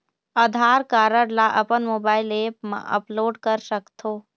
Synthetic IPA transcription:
aːd̪ʱaːɾkaːɾəɽlaʔɐpənmoːbaːɪleːpmã̰ʔɐ̰ploːɖkəɾsəkt̪ʰoː

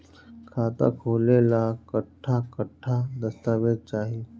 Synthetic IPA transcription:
kʰat̪a̰kʰolelakəʈʰːakəʈʰːad̪əst̪aʋed̪̚t͡ɕaɦi

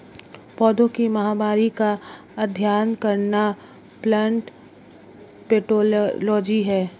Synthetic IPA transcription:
pɔːd̪õkimɐɦaːmaːɾika | ɐd̪ʱjaːnkɐɾna | plãːʈ | peːʈolɔːd͡ʒiɦɛː

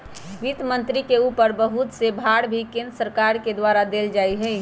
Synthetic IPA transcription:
ʋit̪mə̃nt̪ɾikeuːpəɾbəɦut̪sebʱaːɽbʱikẽnd̪ɾəsəɾkaːɾked̪waɾad̪eːld͡ʒaːiɦɛ

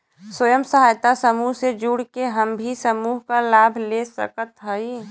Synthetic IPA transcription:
swəjəmsəɦaːjt̪asəmuɦsed͡ʒuːɽkeɦəmbʱisəmuːɦkalaːbʱlesə̰kət̪ɦəi

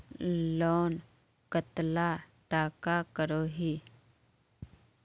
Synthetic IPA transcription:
loːn | kət̪la | ʈ̪aːkakəɾoɦi

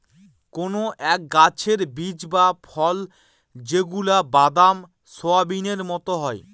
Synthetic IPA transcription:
konoʔɛk̚ɡat͡ɕʰeɾbid͡ʑbapʰɔl | d͡ʑeɡulabad̪am | soabineɾmɔt̪oɦɔe

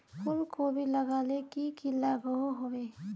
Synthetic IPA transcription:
kʊlkobʱiləɡaːlekikilaɡoɦoɦoeː

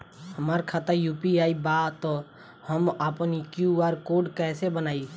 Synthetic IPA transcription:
həmaːɾkʰaːt̪əjuːpiaːibaːt̪ɔ | həməpnikjuaːɾkoːɖkɛːsebənaːi

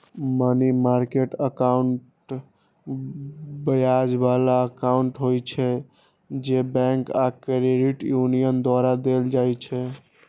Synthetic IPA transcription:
mənimaɾkeʈəkauɳʈ | bəjad͡ʒbalaəkauɳʈɦojt͡ʃʰɛ | d͡ʒebɛ̃ŋkakɾeɖiʈjunijənd̪waɾad̪eld͡ʒajt͡ʃʰɛ

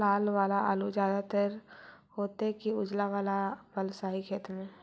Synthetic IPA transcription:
laːlʋaːlaaːlud͡ʒjaːd̪at̪əɾɦoːt̪eɦɛkiʊd͡ʒlaʋaːlabəlsaːɦikʰeːt̪mẽ

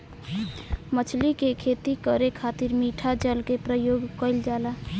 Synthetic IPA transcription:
mət͡ʃʰlikekʰet̪ikəɾekʰat̪iɾmiʈʰad͡ʒəlkepɾəjoɡkəɪld͡ʒala

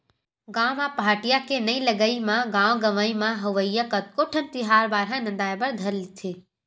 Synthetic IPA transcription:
ɡãːwmãpɦaːʈijakenɐĩləɡəimãɡãːʋɡɐʋəimãɦɐʋəijakɐt̪̚koʈʰənt̪iɦaːɾbaːɾɦãnɐ̃nd̪aːjbɐɾd̪ʱəɾlt̪ʰe

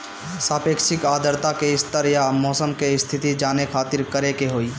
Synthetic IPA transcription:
saːpeːkʃɪkaːd̪əɾt̪akeɪst̪əɾjamɔːsəmkeɪst̪ʰɪt̪id͡ʒaːnekʰaːt̪ɪɾkəɾekeɦoːiː

